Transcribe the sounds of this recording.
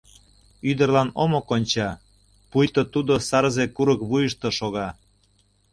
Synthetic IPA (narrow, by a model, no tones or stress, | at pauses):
yd̪ərlɑnomokonʲt͡ɕɑ | pujt̪ot̪ud̪osɑɾzekuɾəkβujəʃt̪oʃoɣɑ